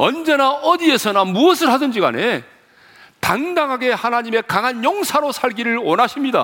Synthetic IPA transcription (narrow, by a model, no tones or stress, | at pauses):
ʌ̰nd͡ʑe̞naʌdie̞sʰʌnamuʌsʰɯɭɦadɯnd͡ʑiɡa̰ne̞ | taŋdaŋɦaɡe̞hanaɲime̞kaŋɦanjʌŋsʰaɾosʰaɭɡiɾɯɭwʌnɦaɕʰimɲida̰